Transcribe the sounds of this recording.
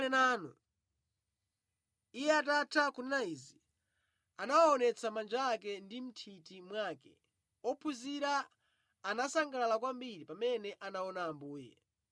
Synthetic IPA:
nɛnaːnu | ijɛatatʰakunnaizi | anawaɔnɛt͡sʰamand͡ʒaːkɛndim̩tʰitimwaːkɛ̰ | ɔpʰuziɾaː | nasaŋɡalalakwambiɾipamɛnɛʔanaɔnaːmbuːjɛ̰

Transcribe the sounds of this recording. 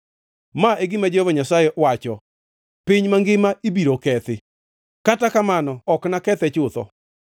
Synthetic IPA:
maʔeɡɪmad͡ʒehovaɲasajɛʔwat͡ʃɔ | piɲmaŋɡɪmaibiɾokɛt̪ɪ | katakamanɔɔknakɛt̪ɛt͡ʃʊt̪ɔ̰

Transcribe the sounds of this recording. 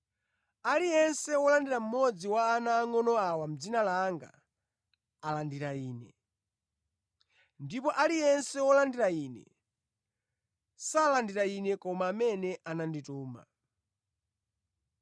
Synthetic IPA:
alijɛnsɛwɔlandiɾam̩mɔd͡ziwaːnaːŋɔnɔawam̩d͡zinalaŋɡa̰ | alandiɾaiːnɛ | ndipɔʔalijɛnsɛwɔlandiɾainɛ̰ | salandiɾainɛkɔmaːmɛnɛʔanandituːma̰

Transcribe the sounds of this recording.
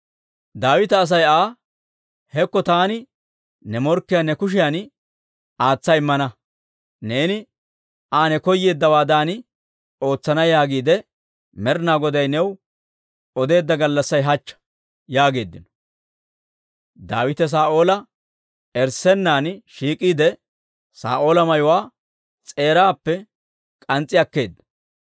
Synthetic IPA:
d̪aːwɪt̪ɐːs̬ɐjaː | hɛkːɔt̪aːnɪ | nɛmɔɾkːɪjanɛkʊʃ̬ɪjan | aːt͡sːɐjɪmːɐnɐ | ne̞ːnɪ | ʔaːnɛkɔjːe̞ːd̪ːɐwaːd̪aːnɪ | o̞ːt͡sːɐnɐjaːɡiːd̪ɛ | mɛɾnaːɡɔd̪ɐjnɛw | ɔd̪e̞ːd̪ːɐɡɐlːɐsːɐjɦɐt͡ʃːɐ̥ | jaːɡe̞ːd̪ːɪnɔ̥ | d̪aːwɪt̪ɛs̬aːʔo̞ːlɐ | ɛɾsɛnːaːnʃiːkʼːiːd̪ɛ | sa̰ːʔo̞ːlɐmɐjʊwaː | t͡sʼe̞ːɾaːpːɛ | kʼɐnt͡sʼːɪɐkːe̞ːd̪ːɐ̥

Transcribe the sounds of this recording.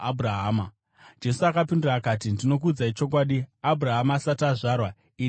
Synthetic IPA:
abʱuraɦaːma | d͡ʒe̞suakapindiraːkaːtindino̞k̬uːd͡zait͡ʃo̞k̬waːɗiabʱuraɦamaːsataʐaːrwa | i

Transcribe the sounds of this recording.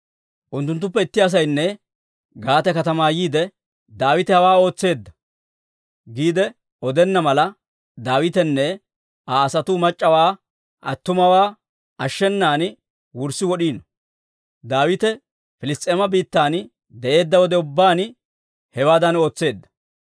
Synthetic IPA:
ʔʊnt̪̬ːʊnt̪̬ːʊpːɛɪt̪ːɪɐs̬ɐjnːɛ | ɡaːt̪ɛkɐt̪ɐmaːjiːd̪ɛ | d̪aːwɪt̪ɛhɐwaːo̞ːt͡sːe̞ːd̪ːɐ | ɡiːd̪ɛ | ɔd̪ɛnːɐmɐlɐ | d̪aːwɪt̪ɛnːɛ | aːsɐt̪ʊmɐt͡ʃʼːɐwaː | ʔɐt̪ːʊmɐwaː | ɐʃːɛnːaːn | wʊɾsɪwɔɗiːnɔ | d̪aːwɪt̪ɛ | fɪlɪst̪ʼːeːmɐbiːt̪ːaːn | d̪ɛʔe̞ːd̪ːɐwɔd̪ɛʊbːaːn | hɛwaːd̪ɐno̞ːt͡sːe̞ːd̪ːɐ̥

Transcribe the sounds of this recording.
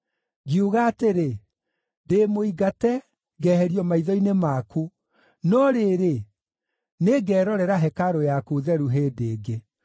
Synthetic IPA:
ɣiuɣaːteɾe | demoiɡatɛ | ɣɛːhɛɾiɔmaiðɔinemaku | nɔɾeɾe | neɡɛːɾɔɾɛɾaɦɛkaɾojakuðɛɾuɦeːdeːɡe

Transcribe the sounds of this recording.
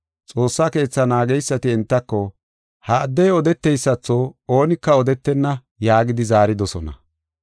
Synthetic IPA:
t͡sʼo̞ːsːake̞ːt͡sːɐnaːɡɛjsːɐt̪ɪɛnt̪ːɐkːɔ | hɐːd̪ːɛjɔd̪ɛt̪ːɛjsːɐt͡sːooːnɪkːɐɔd̪ɛt̪ːɛnːɐ | jaːɡɪd̪ɪzaːɾɪd̪ɔsɔnɐ̰

